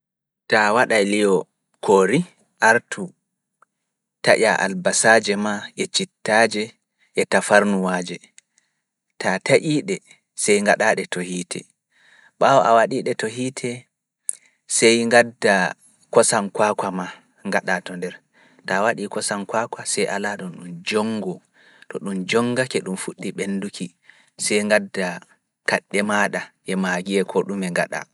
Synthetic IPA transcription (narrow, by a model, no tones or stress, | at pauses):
tawaɗajlijɔ | kʰoːɾi | ʔaɾtʰu | taʔʲaʔa̰lbasaːd͡ʒɛmaʔɛt͡ʃitːad͡ʒɛ | ʔɛtafaɾnuwaːd͡ʒɛ | tataʔiːɗɛ | sɛjŋɡaɗaɗɛtohiːtʰɛ̰ | ɓawɔʔawaɗiɗɛtoɦiːtʰɛ | sɛjŋɡadːa | kɔsankwakwama | ŋɡaɗatɔndɛɾ | tawaɗikɔsankwakwasɛjʔalaɗunɗumd͡ʒɔŋɡɔ | tɔɗumd͡ʒɔŋɡakɛɗumfuɗːiɓenːdukʰi | sɛjŋɡadːa | kaɗːɛmaːɗaʔɛmaɡiɛkʰɔɗumɛŋɡa̰ɗa̰